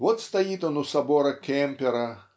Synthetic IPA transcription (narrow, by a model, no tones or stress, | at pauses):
vɔt̪st̪ajit̪ɔnusabɔɾɐkʲɛmpʲɛɾɐ